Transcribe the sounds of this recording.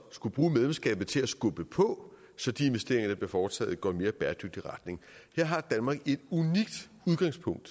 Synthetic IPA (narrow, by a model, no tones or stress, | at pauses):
sɡ̥ub̥ʁuːmeðlemsɡ̥ɛ̰ːb̥ð̩ˠt͡sʰe̝læsɡ̥ɔ̽b̥əpʰɔ̽ | sɒ̽d̥ie̝nʋesd̥e̝ɐ̰eŋɐnəb̥lefɒːt͡sʰɛ̰ːð̩ˠɡ̥ɒ̰me̝ːɐb̥æːɐd̥øɡ̥̚d̥iʁɑ̈d̥ne̝ŋheɐ̰ɦɑ̈d̥ænmɑ̈ɡ̥e̝d̥uniɡ̥̚d̥ | uð̞ˠɡ̥ɑ̈ŋspʰɔ̽ŋ̰d̥